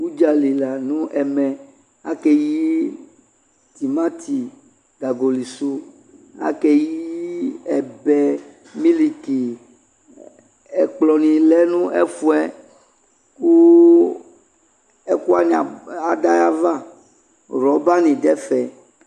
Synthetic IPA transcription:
wu˦d͡ʒa˨li˨la˨nũ˦ʔɛ˨mɛ˨ | a̰˦kɛ˦ji˦ | t̪i˨mã˦t̪ʰi˨ | ɡa˨ɡo˨li˨su˦ | a̰˦kɛ˦ji˦ɛ˨bɛ˨ | mĩ˦li˨ki˨ | ɛ˨k͡plɔ˨nĩ˨lɛ˦nũ˦ʔɛ̰˦fu˦ɛ˦ | ku˦ | ɛ˦ku˦a˦ɲã˨a˨da˦ja˦va˦ | ɾɔ˨˦ba˦nĩ˨dɛ˦fɛ˨

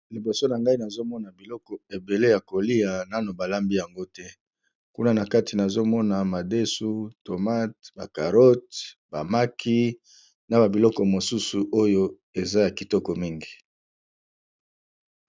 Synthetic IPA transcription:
li˨bo˨so˦na˨ŋɡa˦i˦na˨zo˦mɔ˦na˨bi˨lɔ˦kɔ˨e˨be˨le˦ja˨ko˨li˦a˨na˦no˨ba˨la˦mbi˦ja˨ŋɡo˦tɛ˦ | ku˦na˦na˨ka˦ti˨na˨zo˦mɔ˦na˨ma˨de˦su˦to˨ma˦t̚ba˨ka˨ʁɔ˦t̚b̥a˨ma˦kʰi˦ | na˨ba˨bi˨lɔ˦kɔ˨mo˨su˦su˨ʔo˦jo˦ | e˨za˦ja˨ki˨tɔ˦kɔ˨mi˦ŋɡi˨

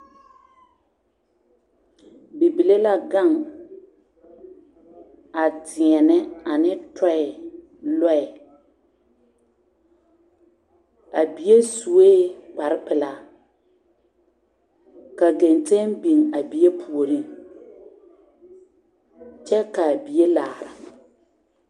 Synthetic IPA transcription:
bi˨bi˨le˦la˦ɡa˦˨ŋ | a˨tɪ˨ɛ˨nɛ˦a˨nɪ˦tɔ˦ɛ˨ | lɔ˦ɛ˨ | a˨bi˨je˦su˨weː˦k͡pa˨ɾɪ˦pɪ˨la˨ | ka˨ɡe˨nte˦ŋbi˨ŋa˨bi˨je˦pʰu˨o˨ɾi˦ | t͡ʃɛ˦ka˨bi˨e˦laː˨ɾa˨

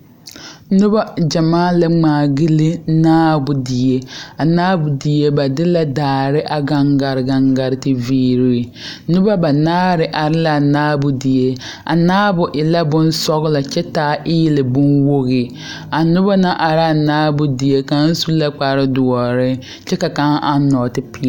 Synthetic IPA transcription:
nʊ˦ba˦d͡ʒa˨maː˦la˦ŋ͡maː˨ɡɪ˦lɪ˦naː˦bʊ˨di˨je˦a˨naː˦bʊ˨di˨je˦ba˨dɪ˦la˦daː˨ɾɪ˦ʔa˨ɡa˨ŋɡa˨ɾɪ˨ɡa˨ŋɡa˨ɾɪ˨tɪ˨viː˦ɾi˦˨ | nʊ˦ba˦ba˨naː˦ɾɪ˨ʔa˨ɾɪ˦la˨naː˦bʊ˨di˨je˦ | a̰˨naː˦bʊ˨ʔɪ˨la˦bʊ˦n˦sɔ˦ɣla˨t͡ʃɛ˦taː˨˦ʔɪː˦lɪ˨bʊ˦nwo˦ɣɪ˨ | a˨nʊ˦ba˦na˦ʔa˨ɾa˦˨naː˦bʊ˨di˨je˦ka˨˦n̩˦su˦la˦k͡pa˨ɾɪ˦dʊ˨ɔ˨ɾɪ˦ | t͡ʃɛ˦ka˨ka˨˦ŋ˦ʔa˦nɔ˨tɪ˦pi˦˨

